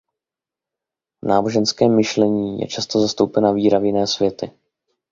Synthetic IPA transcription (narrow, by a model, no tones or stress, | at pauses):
vnaːbo̞ʒɛnskɛːmːɪʃlɛɲiːjɛ̰t͡ʃast̪o̞zast̪owpɛnaviːɾavjɪnɛːsvjɛt̪ɪ